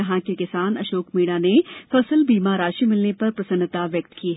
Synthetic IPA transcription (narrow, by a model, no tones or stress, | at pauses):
ɐɦãkekɪsaːnɐʃoːkmiːɽ̃anefɐslbiːmaːɾaːʃimɪlnepɐɾpɾɐsə̃nːət̪aʋjɐk̚t̪kiːɦɛ